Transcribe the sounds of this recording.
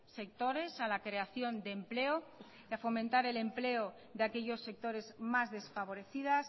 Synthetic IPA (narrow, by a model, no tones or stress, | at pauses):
se̞k̚t̪o̞ɾe̞salakɾe̞aθjo̞nd̪e̞mple̞o | afo̞mẽnt̪aɾe̞le̞mple̞o | ðeake̞ʎo̞sːe̞k̚t̪o̞ɾe̞zmazðe̞sfaβ̞o̞ɾe̞θiðas